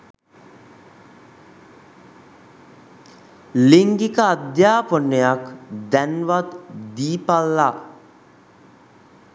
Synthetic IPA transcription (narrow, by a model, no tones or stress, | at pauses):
liŋɡikəad̪jaːponːəjakd̪ænʋat̪d̪iːpalːa